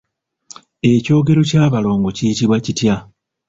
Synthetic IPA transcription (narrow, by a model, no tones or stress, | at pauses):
e̞co̞ːɡe̞ɾo̞caːβalo̞ːŋɡociitiβwacitja